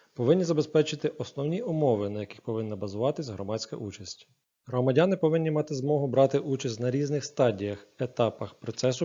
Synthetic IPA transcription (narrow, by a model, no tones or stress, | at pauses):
pɔʋɪnʲːizɐbespɛt͡ʃɪt̪ɪʔɔsnɔwnʲiʊmɔʋɪnɐjɐkʲɪxpɔʋɪnːɐbɐzʊʋɑt̪ɪsʲɦɾɔmɑsʲkɐ̰ʔut͡ʃɐsʲtʲi̥ | ɦɾɔmɐdʲanɪpɔʋɪnʲːimɑt̪ɪzmɔɦʊbɾɑt̪ɪʔut͡ʃɐsʲtʲnɐɾʲiznɪxst̪ɑdʲijɐxet̪ɑpɐxpɾɔt̪sɛsʊ